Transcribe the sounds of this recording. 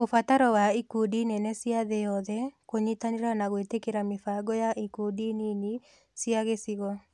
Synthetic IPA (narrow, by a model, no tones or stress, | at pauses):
ofataɾɔwaikodinɛnɛsjaðejɔðɛkoɲit̪aniɾanaɣetekeɾamɪfaɡɔjaʔikodinini | sjaɣesɪɣɔ